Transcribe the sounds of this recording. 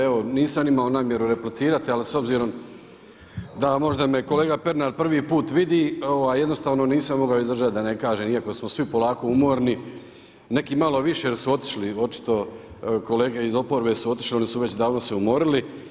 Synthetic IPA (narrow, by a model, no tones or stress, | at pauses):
eo̞niːsamimaonaːmje̞ɾuɾe̞plit̪siːɾat̪ialiso̞bziːɾo̞m | d̪amo̞ʒd̪ame̞ko̞le̞ːɡape̞ɾnaːɾpr̩ʋiːpuːt̪ʋid̪iːoʋajːed̪no̞st̪aːʋno̞niːsamːo̞ɡaoizd̪ɾr̩ʒat̪d̪ane̞kaːʒemiako̞smosʋipo̞laːko̞umo̞ːɾni | ne̞kiːmalo̞ʋiʃeɾsuo̞t̪i̥ʃlio̞t͡ʃi̥t̪o̞ | kole̞ːɡe̞izo̞po̞ɾbe̞ːsuo̞t̪i̥ʃlionisuʋe̞t͡ɕd̪aːʋnose̞umo̞ɾili